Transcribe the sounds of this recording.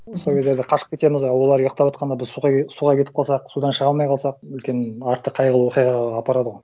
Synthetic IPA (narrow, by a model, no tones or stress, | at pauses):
sokʲe̞zd̪eɾd̪ɪqʰɑʃə̥q̚kʰʲe̞t̪e̞mɪzojwolˠɑɾujəq̚t̪ɑpwot̪̚qɑnd̪ɑbɪzsuʁɑsuʁɑkʲet̪ɪp̚qɑlˠsɑqsud̪ɑnʃəʁɑlˠmɑjqʰɑlˠsɑq̚ʏlkʲe̞nɪɑɾt̪ːəqʰɑjʁəlˠəwo̞qijʁɑʁɑːpɑɾɑd̪əʁoj